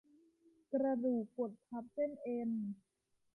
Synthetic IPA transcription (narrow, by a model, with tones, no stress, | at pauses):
kɾa˧duː˨˩k̚po˨˩t̪̚pʰa˦˥p̚t͡ɕe˥˩nʔe˧n